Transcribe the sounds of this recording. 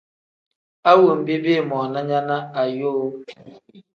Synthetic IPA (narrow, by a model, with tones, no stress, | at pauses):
a˦wo˨m̩˨bi˦be˦˨mɔ˨na˦ɲa˦na˦a˨jo˦